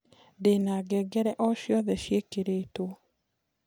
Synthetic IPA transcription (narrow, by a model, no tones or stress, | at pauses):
denaɡɛɡɛɾɛʔɔʃjɔðɛʃjekeɾeto